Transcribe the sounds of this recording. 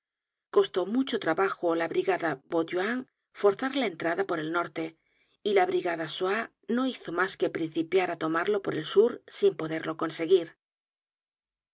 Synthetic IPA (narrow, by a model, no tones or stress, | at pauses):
ko̞st̪o̞mut͡ʃot̪ɾaβaxolaβɾiɣaðabot̪uaŋ | fo̞ɾθaɾlaent̪ɾaðapo̞ɾe̞lno̞ɾt̪e̞ | ilaβ̞ɾiɣaðaswa | no̞iθo̞maske̞pɾin̟θipjaɾat̪o̞maɾlo̞po̞ɾe̞lsuɾsimpo̞ðe̞ɾlo̞ko̞nse̞ɣiɾ